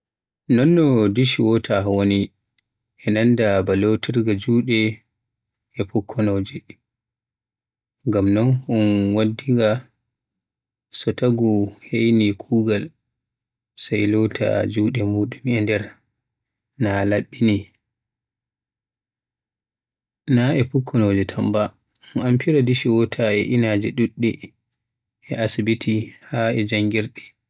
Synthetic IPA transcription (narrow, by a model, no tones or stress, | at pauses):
nɔnːɔdiʃwɔtʰawoni | ʔɛnandabalotʰiɾɡad͡ʒuːɗɛ | ɛpɔkʰːɔnoːd͡ʒɛ | ŋɡamnɔnɔnwadːiŋɡa | sɔtaɡuhejnikʰuːɡal | sajlɔtʰa̰d͡ʒuːɗɛmuːɗumɛndɛɾ | nalaɓːini | naʔɛpukʰːɔnod͡ʒɛtʰamba | ɔnampiɾadiʃiwɔtʰaɛʔinaːd͡ʒɛɗuɗːɛ | ʔɛasibitʰihaɛd͡ʒaŋɡiɾɗɛ